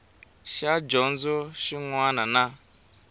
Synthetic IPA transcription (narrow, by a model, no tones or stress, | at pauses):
ʃad͡ʒɔn̩zʊʃiŋʷanana